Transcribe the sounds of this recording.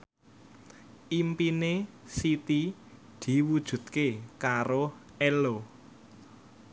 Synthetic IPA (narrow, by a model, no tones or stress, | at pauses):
ʔimpine | sit̪i | d̪̥i̤wud̥ʒ̥ṳt̪̚kekaɾo | ɛlo